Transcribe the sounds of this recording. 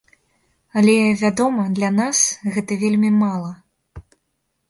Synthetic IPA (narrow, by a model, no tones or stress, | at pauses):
ɐlʲɛvʲad̪ɔmɐd̪lʲanasɣɛt̪ɐvʲelʲmʲimalˠɐ